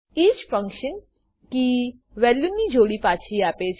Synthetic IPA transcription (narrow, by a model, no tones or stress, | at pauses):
iːt͡ʃfə̃ŋkʃə̃n | ki | ʋɛljunːid͡ʒʱoɽipaːt͡ʃʰiaːpet͡ʃʰ